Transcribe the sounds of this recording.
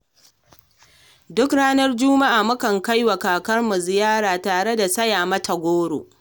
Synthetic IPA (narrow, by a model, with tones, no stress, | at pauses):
dʊ˦kɽaː˦nɐ˦rd͡ʒʊ˦ma˦ʔaː˨mʊ˦kɐ˨ŋka˦jwɐ˨kaː˨kɐ˦rmu˨zɪ˨jaː˦ɾaː˨taː˨ɽe˦da˨sɐ˦jaː˨mɐ˦tɐ˨ɡʷoː˦ɽo̰ː˨ʔ